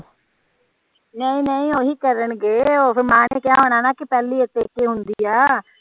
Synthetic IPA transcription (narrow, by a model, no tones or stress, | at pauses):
nəĩːnəĩːoːɦiːkəɾəɳɡeːoːpʰɪɾmaːneːkɪãːɦoːnaːnaːkɪpɛːliːet̪ːeːkeːɦʊnd̪iːaː